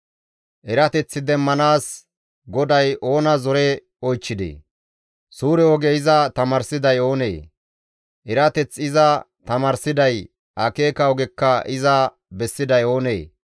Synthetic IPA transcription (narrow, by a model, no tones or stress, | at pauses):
ʔɛɾɐt̪ɛt͡sːɪd̪ɛmːɐnaːs | ɡɔd̪ɐjʔo̞ːnɐzɔɾɛ | ɔjt͡ʃːɪd̪ḛː | suːɾɛɔɡɛɪzɐt̪ɐmɐɾsɪd̪ɐjo̞ːnḛː | ʔɛɾɐt̪ɛt͡sːɪzɐ | t̪ɐmɐɾsɪd̪ɐj | ʔɐkeːkɐɔɡɛkːɐɪzɐ | bɛsːɪd̪ɐjo̞ːnḛː